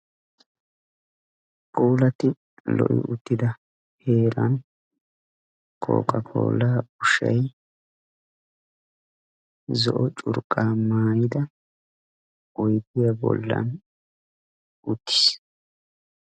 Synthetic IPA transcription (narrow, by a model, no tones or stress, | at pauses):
kʼuːlɐt̪ɪ | lɔ̰ʔɪ̰ʊt̪ːɪd̪ɐ | he̞ːɾɐn | kʰo̰ːkʼːɐkʰo̰ːlːaːʊʃɐ̰j | zɔʔɔt͡ʃʼʊɾkʼːaːmaːjɪd̪ɐ | ɔjd̪ɪjaːbɔ̰lːɐ̰n | ʔʊt̪ːɪ̥s